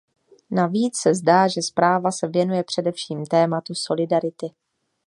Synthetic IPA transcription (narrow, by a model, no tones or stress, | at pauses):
naviːt͡ssɛzdaːʒɛspɾaːvasɛvjɛnujɛpr̝̥ɛdɛfʃiːmt̪ɛːmat̪uso̞lɪdaɾɪt̪ɪ